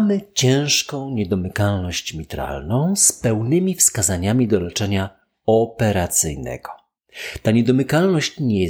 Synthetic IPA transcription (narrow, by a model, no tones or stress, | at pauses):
mɘt͡ɕɛ̃w̃ʂkɔ̃w̃ɲɛd̪ɔmɘkalnɔɕt͡ɕmʲit̪ɾa̰lnɔ̃w̃spɛwnɘmʲifskazaɲamʲid̪ɔlɛt͡ʂɛɲa | ɔpɛɾat̪sɘjnɛ̰ɡ̥ɔ | t̪aɲɛd̪ɔmɘkalnɔɕt͡ɕɲɛ